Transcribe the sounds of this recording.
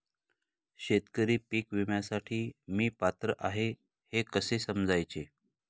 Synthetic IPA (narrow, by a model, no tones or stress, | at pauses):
ɕet̪kəɾiːpiːkʋimjasaʈʰiːmiːpat̪ɾəʔaɦe | hekəsesəmd͡zʱajt͡ɕe